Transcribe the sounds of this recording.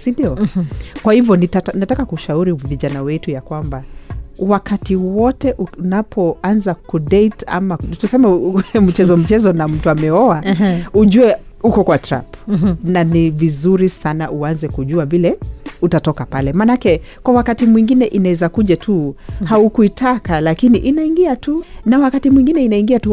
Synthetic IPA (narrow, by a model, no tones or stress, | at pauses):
sindiɔkwahivjɔnitanatakakuʃauɾiviʄanawɛtujakwambawakatiwɔtɛʔunapʰɔanzakuɗeita̰matusɛmɛm̩t͡ʃɛzɔm̩t͡ʃɛzɔnam̩tuamɛɔauʄuɛ | ukɔkwatɾa̰pnanivizuɾisanaʔuanzɛkuʄuavilɛutatɔkapalɛmaːnaakɛkwawakatimwiŋɡinɛʔinawɛzakuʄatʰuhaukuitʰakalakiniʔinaiŋɡiatunawakatimwiŋɡinɛinaiŋɡiatu